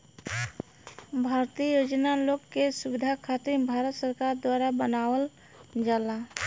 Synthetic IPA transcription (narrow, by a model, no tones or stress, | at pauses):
bʱaːɾt̪ijəjoːd͡ʒnaloːkːesubɪd̪ʱakʰaːt̪ɪɾbʱaːɾət̪səɾkaːɾd̪waːɾabənaːwəl | d͡ʒala